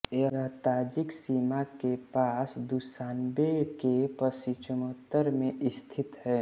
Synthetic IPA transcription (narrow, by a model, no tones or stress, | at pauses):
eət̪aːd͡ʒɪksiːmakepaːsd̪usaːnbekepəsit͡ʃəmət̪ːəɾmẽʔɪst̪ʰɪt̪ɦɛː